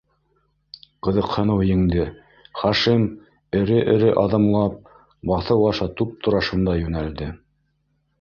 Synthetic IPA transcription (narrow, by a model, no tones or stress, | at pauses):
qɤ̆ðɤ̆qhɤ̆nɤwjɘ̆ŋd̪ɘ | χɑʃim | ɘ̆ɾɘʔɘ̆ɾɘʔɑðɤ̆mlˠɑp̚ | bɑθɤwɑʃɑt̪up̚t̪ʰŏɾɑʃɤ̆nd̪ɑjʉnæld̪ɘ